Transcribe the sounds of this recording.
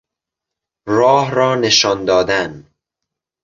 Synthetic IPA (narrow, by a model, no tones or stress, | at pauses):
rɒːhɾɒːneʃɒnd̪ɒːd̪æn